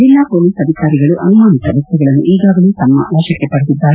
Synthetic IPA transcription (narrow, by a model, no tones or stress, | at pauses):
d͡ʒilːapoːliːsɐd̪ʱikaːɾiɡɐɭuʔɐnumaːnit̪ɐʋɛst̪uɡɐɭɐnːṵʔiːɡaːɡɐluːt̪ɐmːɐ̰aːʃɐkːepɐɽt̪̬id̪ːaːɾe